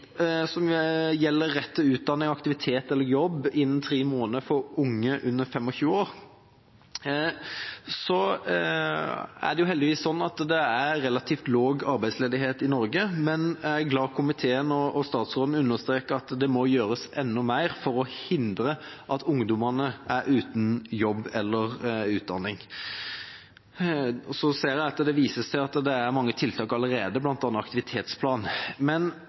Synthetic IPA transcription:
sɔmjɛlːəɾːɛt̪ːəʉːt̪̚d̪ɑnːɪŋɑkt̪ɪʋɪt̪ʰeːt̪ɛlːəɾjɔbːɪnːənt̪ʰɾiːmoːnəfɔɾʊŋːəʔʉnːəɾfɛmːɔçʉːoːɾ | sɔ | æ̰dɖɛjʊɦɛld̪ɪʋiːsːɔnːɑt̪d̪ɛæɾɛlɑt̪ʰiːft̪loːɡɑɾbæɪsleːd̪ɪɦeːt̪ɪnɔɾɡəmɛnæɡlɑːkʰʊmɪt̪ʰeːənɔɔst̪ɑːt̪sʁoːd̪n̩ʉnːəʁst̪ɾeːkəɑt̪d̪ɛmɔjøːɾəsɛnːʊmæɪɾfɔɾɔhɪnd̪ɾəʔɑt̪ʊŋd̪ʊmɑnəʔæɾʔʉːt̪njɔbːɛlːəʁʉːt̪̚d̪ɑnːɪŋ | ɔsɔseːɾjæɪɑt̪d̪ɛʋiːsəsæɪɑt̪d̪ɛæɾmɑŋːət̪ʰɪlt̪ʰɑːkɑləɾeːd̪əblɑnt̪ɑːnːəɑkt̪ɪʋɪt̪ʰeːt̪spʰlɑːnmɛn

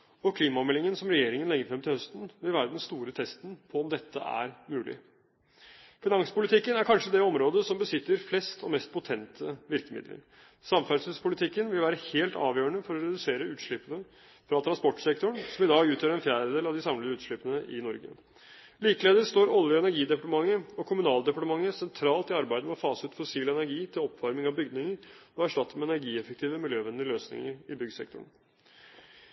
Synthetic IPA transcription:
ɔkʰliːmɑmɛlɪŋənsɔmɾɛjeːɾɪŋənlɛɡːəfɾɛmt̪ʰɪlhœst̪n̩ʋɪlʋæːɾəd̪ɛnst̪uːɾət̪ʰɛst̪n̩pʰɔɔmd̪ɛt̪ʰːə̰æ̰ɾmʉːlɪ̰ | fɪnɑŋsə̥pʊlɪt̪ʰɪkːənæɾkʰɑnʂəd̪ɛɔmɾoːd̪əsɔmbəsɪt̪ːəɾflɛst̪ʰɔ̰mɛst̪̚pʰʊt̪ʰɛnt̪ʰəʋɪɾkəmɪ̰d̪lə̰ɾ | sɑmfæɖsʉspʰʊlɪt̪ʰɪkːənʋɪlʋæːɾəheːlt̪ɑ̰ːʋjøːəɳəfɔɾɔɾɛd̪ʉseːɾəʉːt̪ʂɭɪpːənə | fɾɑt̪ʰɾɑnspɔʈːsɛkt̪ʊɳsɔmɪd̪ɑːɡʉːt̪ʰjøːɾɛnfjæːɾəd̪eːlɑʋd̪ɪsɑmləəʉːt̪ʂɭɪpənəʔɪnɔɾɡə̰ | liːkəleːd̪əɾst̪oːɾɔlʋəɛnæɾɡiːd̪ɛpɑʈəmɑŋːəɔkʰʊmʉnɑːld̪ɛpɑʈəmɑŋːəsɛnt̪ʰɾɑːlt̪ɪɑɾbæɪəmɛɔfɑːsʉːt̪fɔsiːlɛnæɾɡiːt̪ʰɪlɔpːʋɑɾmɪŋɑʋbʏɡd̪nɪŋəɾɔæʂʈɑt̪ːəmɛɛnæɾɡiːɛfək̚t̪ʰiːʋəmɪljøːʋɛnd̪ɪəløːsnɪ̰ŋəɾɪbʏɡsɛ̰k̚t̪ʊ̰ɳ

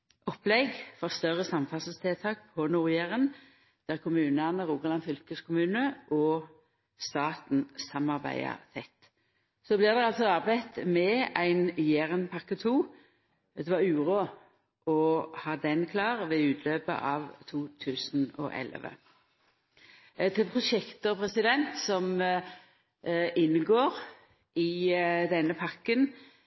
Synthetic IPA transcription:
ʔɔplɛɡfɔʁst̪œʁəsɑmfɑsəst̪ʰɪːt̪ʰɑːk̚pʰɔnuːʁjæːʁən | d̪̥æʁkʰʊmʉːnɑnəʁuːɡəlɑnfʏlkəskʰʊmʉːnəʔɔ | st̪ɑːt̪n̩sɑmɑʁbæ̰ɪɑ̰ʁt̪ʰɛt̪ː | sɔblɪːʁd̪ɛɑlsɔɑʁbæɪt̪mɛæɪnjæːʁənpʰɑʁkət̪ʰuː | d̪ɛʋɑʉːʁoː | ʔɔhɑːd̪ɛnkʰlɑːʁʋɛʉːt̪ʰløːpə̰ʔɑːʋt̪ʰuːt̪ʰʉːsn̩ɔ̰ʔɛ̰lʋə̰ | t̪ʰɪlpʰʁʊʃɛkt̪ɔpʰʁɛsɪd̪ɛnt̪sɔm | ʔɪnːəɡoːʁ | ɪd̪ɛnːəpʰɑʁkən

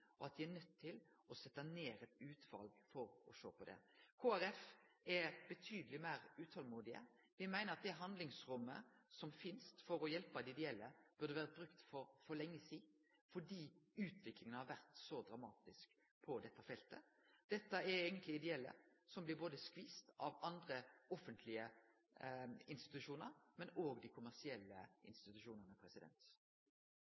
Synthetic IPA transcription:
ɔɑt̪̚d̪ɪænœt̪ʰːɪlɔsɛt̪ːɑneːɾɛt̪ʉːt̪ʋɑ̰lɡfɔɾɔʂo̰ːpʰɔd̪ɛ̰kʰoːæɾɛfɛbət̪ʰyːd̪əlɪmæɪɾʉːt̪ʰɑlmuːd̪ɪə̰ | ʋɪmæɪnəɾɑt̪̚d̪ɛɦɑnd̪lɪŋsɾʊmːə̰sɔmfɪnst̪fɔɾɔjɛlpɑd̪ɪd̪ɛɛlːəb̥ʉʁd̪əʋæːɾət̚bɾʉkt̪fɔɾfɔlɛŋːəsiː | fɔɖiːʉːt̪ʰʋɪklɪŋənəhɑɾʋæʁt̪sɔd̪ʁɑmɑːt̪ɪsk | pʰɔd̪ɛt̪ːəfɛlt̪ə̰ | d̪̥ɛt̪ːəɛeːɡənt̪lɪɪd̪ɛɛlːə̰ | sɔmblɪɾboːd̪əskʋiːst̪ɑʋɑnd̪ʁəɔfənt̪ʰlɪə | ɪnst̪ɪ̥t̪ʉʃuːnəɾmɛnoːɡd̪ɪkʰʊmæʁsɪɛlːəʔɪ̰nst̪ɪt̪ʉʃuːnənəpʰɾɛsɪd̪ɛ̰nt̪

